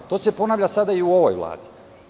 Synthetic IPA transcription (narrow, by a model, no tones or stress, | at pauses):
t̪o̞ːsepo̞naːʋʎʲasad̪aiuo̞ʋo̞̰jʋlˠa̰ːd̪i̥